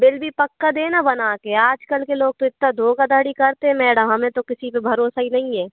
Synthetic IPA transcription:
bɪlbʱipɐkːad̪eːnabɐnaːkeaːd͡ʒkəlkeloːɡ̚t̪ʊɪt̪nad̪ʱoːɡad̪əːɽikɐɾt̪eɦɛ̃mɛːɽəmɦɐmẽt̪okɪsipebʱɐɾoːsaɦinɐɦĩɛː

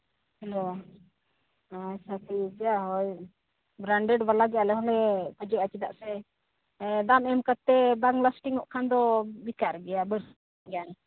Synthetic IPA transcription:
hɛlo | asat̪id͡ʒjaɦɔj | bɾaɳɖɛɖbalaɡɛjalɛɦɔlɛkɔd͡ʒɛat͡ʃid̪a̰ʔsɛ | d̪amɛmkat̪ːɛbaŋlasʈiŋɔʔkʰand̪ɔbikaɾɡɛjabəɽ | ɡɛja

